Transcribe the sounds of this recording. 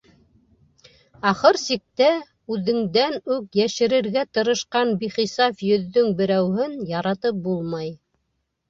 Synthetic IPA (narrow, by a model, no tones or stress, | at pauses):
ɑχɤɾsik̚t̪æ | ʉðɘ̆ŋd̪ænʉkjæʃɘ̆ɾɘ̆ɾɡæt̪ɤ̆ɾɤ̆ʃqɑnbiχisɑfjɵ̆ðːɵŋbɘ̆ɾæwhɘnjɑɾɑt̪ɤp̚bulˠmɑj